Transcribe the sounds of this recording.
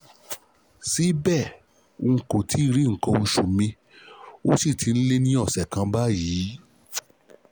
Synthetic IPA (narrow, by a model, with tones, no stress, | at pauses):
si˨˦bɛ˦˨ | o˧˨ko˨tʰi˨˦˧ɾi˨˦ŋ̩˨kã˧n̩˧ʃu˨mĩ˧ | o˦si˦˨ti˧n̩˦le˦nĩ˦ɔ˦˨sɛ˨kã˧ba˦jiː˨˦